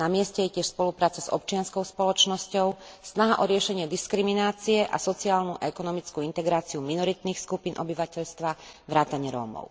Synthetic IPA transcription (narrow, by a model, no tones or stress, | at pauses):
namɪɛscɛjɛcɪɛʃspɔlupɾaːt͡sazɔ̰pt͡ʃɪanskɔʊspɔlɔt͡ʃnɔscɔʊsnaɦaʔɔɾɪɛʃɛɲɪɛd̪iskɾiminaːt͡siɛʔa̰sɔt͡siaːlnuʔa̰ɛkɔnɔmit͡skuint̪ɛɡɾaːt͡siuminɔɾit̪nixskupiːnʔɔbiʋacɛʎst̪ʋaʋɾaːt̪aɲɪɛɾɔ̰ːmɔ̰ʊ